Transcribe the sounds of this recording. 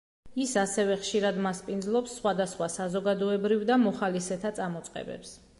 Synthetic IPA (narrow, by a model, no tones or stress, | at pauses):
isasɛvɛχʃiɾad̪maspʼind̪zlˠɔpsːχwad̪asχwasazɔɡad̪ɔɛbɾivd̪amɔχalisɛt̪ʰat̪sʼamɔt̪sʼqʼɛ̰bɛ̰ps